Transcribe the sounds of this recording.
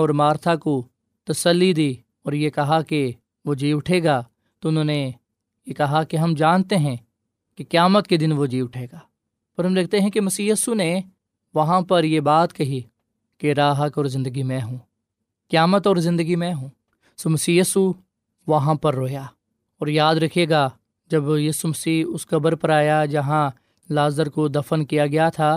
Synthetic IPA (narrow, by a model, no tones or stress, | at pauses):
ɔːɾmaːɾt̪ʰako | t̪ɐsəlːid̪iː | ɔːɾjekɐɦake | ʋoːd͡ʒiːʊʈʰeːɡaː | t̪oʊnɦõːne | jekɐɦakeɦɐmd͡ʒaːnt̪eɦɛ̃ | kekjaːmət̪̚ked̪ɪnʋod͡ʒiːʊʈʰeːɡaː | pɐɾɦɐmd̪eːk̚ʰt̪eɦɛ̃kemɐsiːjiːsune | ʋɐɦãpɐɾjebaːt̪kɐɦi | keɾaːɦəkɔːɾzɪ̃nd̪əɡimɛ̃ɦũː | kjaːmət̪ɔːɾzɪ̃nd̪əɡimɛ̃ɦũː | soːmɐsiːjiːsu | ʋɐɦãpɐɾːoːjaː | ɔːɾjaːd̪ɾɐkʰeːɡaː | d͡ʒɐbjiːsumɐsiːʊskɐbəɾpɐɾaːjad͡ʒɐɦã | laːzəɾkod̪ɐfənkijaɡɐjat̪ʰaː